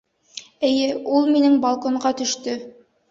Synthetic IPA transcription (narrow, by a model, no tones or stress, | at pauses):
ɘ̆jɘulˠminɘŋbɐlˠkoɴɢɑt̪ɵ̆ʃt̪ɵ